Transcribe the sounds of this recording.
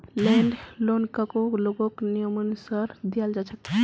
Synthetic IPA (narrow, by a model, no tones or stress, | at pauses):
lɛɳɖlonkəkoloɡõknijəmənsəɾd̪ijəld͡ʒat͡ʃʰək̪